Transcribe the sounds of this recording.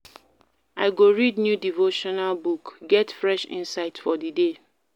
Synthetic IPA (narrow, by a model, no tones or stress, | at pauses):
aɪɡoɹidnjudivoʃɔnalbukɡɛtfɹɛʃḭ̃nsaɪtfɔdide